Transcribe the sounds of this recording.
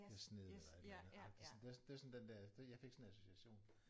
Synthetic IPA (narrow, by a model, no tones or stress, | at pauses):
esneðˠnɑɪd̥enɑ̈ɡ̥d̥isɔnd̥e̝æsnd̥eʋæɐsɒ̽nd̥end̥æɐ̰d̥ejɑ̈ɪfe̝ɡ̥sɒnæso̝siæɕo̝̰ːn